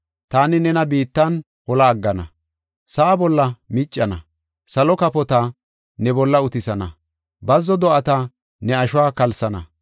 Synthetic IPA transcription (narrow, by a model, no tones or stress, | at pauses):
t̪aːnɪnɛnɐbiːt̪ːɐn | hɔlɐːɡːɐnɐ̰ | sɐʔːbɔlːɐmɪt͡ʃʼːɐnɐ̰ | sɐlɔkɐpɔt̪a | nɛbɔlːɐʊt̪ɪsɐnɐ̰ | bɐzːɔd̪ɔʔɐt̪a | nɛɐʃʊwaːkɐlsɐnɐ̰